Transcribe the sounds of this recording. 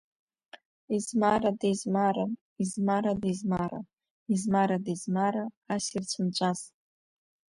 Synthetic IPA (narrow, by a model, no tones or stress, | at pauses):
izmaɾadejzmaɾa | izmaɾadezmaɾa̰ | izmaɾadezmaɾa | asirt͡ʃʷʰɨnt͡ʃʷʼaz